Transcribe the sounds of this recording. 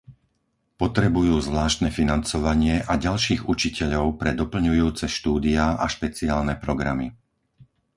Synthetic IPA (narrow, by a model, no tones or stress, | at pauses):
pɔt̪ɾɛbujuːzʋlaːʃt̪nɛfinant͡sɔʋaɲɪɛʔaɟalʃiːɣut͡ʃicɛʎɔʊpɾɛd̪ɔpl̩ɲujuːt͡sɛʃt̪uːd̪iaaʃpɛt͡siaːlnɛpɾɔɡɾami